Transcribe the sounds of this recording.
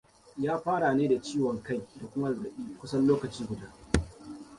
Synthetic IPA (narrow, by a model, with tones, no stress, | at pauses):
jaː˦ɸaː˦ɽaː˨neː˦da˨t͡ʃiː˦wɔ˨ŋka˦˨jda˨kʷʊ˦ma˦zɾɐ˨ɓiː˦˨kʷʊ˦sɐ˦nloː˦kɐ˨t͡ʃiː˦ɡʷʊ˨daː˦